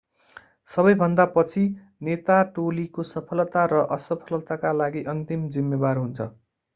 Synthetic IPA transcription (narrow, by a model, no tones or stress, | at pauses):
sʌbʌjbʱʌnd̪apʌt͡sʰi | net̪aʈolikosʌpʰʌlt̪aɾʌʔʌsʌpʰʌlʌt̪akalaɡiʔʌnt̪imd͡zimːebarɦunt͡sʰʌ̰